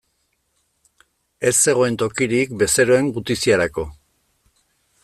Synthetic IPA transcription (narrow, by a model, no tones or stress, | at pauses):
e̞sːe̞ɣ̞o̞e̞nt̪o̞kiɾikbe̞se̞ɾo̞e̞ŋɡut̪isiaɾako̞